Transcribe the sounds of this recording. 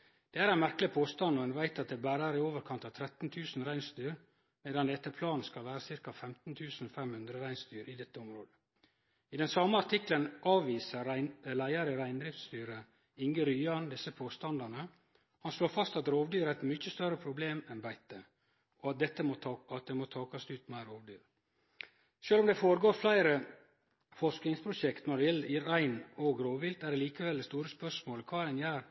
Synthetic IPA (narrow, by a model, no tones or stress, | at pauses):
d̪̥ɛæːɾæɪnmæɾklɪpʰoːst̪ɑnɔɛnʋæɪt̪ɑt̪̚d̪ɛːbæːɾɑɾɪoːʋəɾkʰɑnt̪ɑʋt̪ʰɾɛt̪n̩t̪ʰʉːsn̩ɾæɪnst̪yːɾ | meːd̪ɑnd̪ɛt̪ːəpʰlɑːnskɑlʋæːɾəsɪɾkɑfɛmt̪n̩t̪ʰʉːsn̩ɔfɛmhʉnd̪ɾəɾæɪnst̪yːɾʔɪd̪ɛt̪ːəʊmɾoːd̪ə | ɪd̪ɛnsɑməɑɾt̪ʰɪklənʔɑːʋʋiːsəlæɪɑɾəɾæɪnd̪ɾɪft̪st̪yːɾə | ɪŋɡəɾyːɑnd̪ɪsːəpʰoːst̪ɑnd̪ɑnə | hɑnsloːɾfɑst̪ɑt̪ɾoːʋd̪yːɾæɪt̪mʏçəst̪œɾəpʰɾʊbleːmɛnbæɪt̪ə | ɔɑt̪̚d̪ɛt̪ːəmoɑt̪̚d̪ɛmoːt̪ʰɑːkɑsʉːt̪mæɪɾoːʋd̪yːɾ | ʃøːlɔmd̪ɛfoːɾəɡoːɾflæɪɾə | fɔʂknɪŋspʰɾʊʃɛkt̪nɑd̪ɛjɛliɾæɪnoːɡɾoːʋʋɪlt̪æɖɛliːkəʋɛld̪ɛst̪uːɾəspœʂmoːləkʰʋɑːd̪ɛnjæːɾ